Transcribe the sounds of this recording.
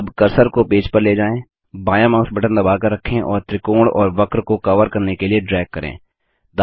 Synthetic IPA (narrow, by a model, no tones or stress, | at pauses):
bkɐɾsəɾkopeːd͡ʒpəɾleːd͡ʒaːẽː | baːjãmãːsbɐʈə̃nd̪ɐbaːkɐɾːɐkʰːẽʔɔːɾt̪ɾɪkoːɽɔːɾʋɐkɾkokɐʋəɾkɐɾnekelieɖɾɛːɡ̚kɐɾḛ̃ː | d̪